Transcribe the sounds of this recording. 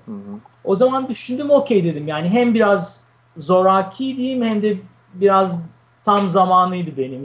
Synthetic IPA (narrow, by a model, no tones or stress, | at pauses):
o̞zamand̪yʃynd̪yːmo̞cʰejd̪e̞d̪imjaːniɦæmbiɾazː | o̞ɾaːcʰijd̪ijimhɛmd̪ɛ | biɾaz | t̪ʰamzamaːnɯjd̪ɯbe̞nim